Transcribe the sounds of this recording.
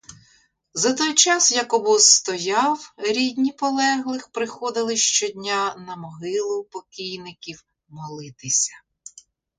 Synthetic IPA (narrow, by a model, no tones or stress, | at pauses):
zɐt̪ɔjt͡ʃɑsjɐkɔbɔst̪ɔjɑwɾʲidʲnʲipɔlˠɛɦlˠɪxpɾɪxɔd̪ɪlˠɪʃt͡ʃɔdʲnʲanɐmɔɦɪlˠʊpɔkʲijnɪkʲiw | mɔlˠɪt̪ɪsʲɐ̥